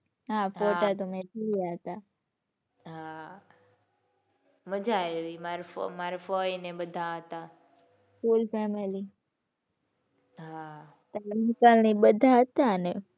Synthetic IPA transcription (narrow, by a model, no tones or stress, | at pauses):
ɦãːfoʈat̪omẽt̪iijaɦət̪a | ɦa | məd͡ʒajoʋimaɾfmaɾfɔːinẽɓəd̪ʱãɦət̪aː | fuːlfɛmeli | ɦa | t̪anɪkalñiɓəd̪ʱaɦət̪ane